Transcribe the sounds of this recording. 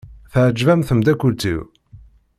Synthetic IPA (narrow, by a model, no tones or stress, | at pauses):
θəʕəd͡ʒvæmθəmd̪ækʷːult͡s̪ːḭw